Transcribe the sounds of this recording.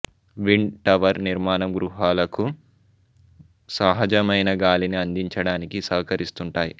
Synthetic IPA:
ʋiɳɖʈɐʋɐɾniɾmaːnɐmɡɾuɦaːlɐku | sɐɦɐd͡ʒɐmɐjnɐɡaːliniɐnd̪iɲt͡ʃɐɽaːnikisɐːkɐɾist̪uɳʈaːji

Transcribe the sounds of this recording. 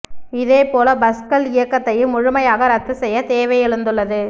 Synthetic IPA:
ɪðeːpoːlɐbɐskɐlɪjɐkːɐt̪ːɐjɯmːʊɻʊmɐjaːɣɐɾɐt̪ːɯsɛjːɐt̪eːʋɐjɪɻɯnd̪ɯɭːɐðɯ

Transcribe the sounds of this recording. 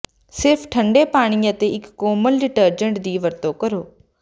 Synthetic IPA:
sɪɾpʰʈʰə̃ɳɖeːpaːɽ̃iːət̪eːɪkːoːməlɾɪʈəɾd͡ʒəɳʈd̪iːʋəɾt̪oːkəɾoː

